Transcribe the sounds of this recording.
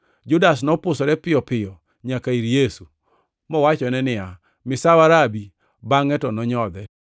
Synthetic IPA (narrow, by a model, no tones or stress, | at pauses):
d͡ʒʊdas̬nɔpʊsɔɾɛpɪjɔpɪjɔ | ɲakaiɾjesu | mɔwat͡ʃɔnɛnɪja | mɪsawaɾabi | baŋɛtɔnɔɲɔd̪ɛ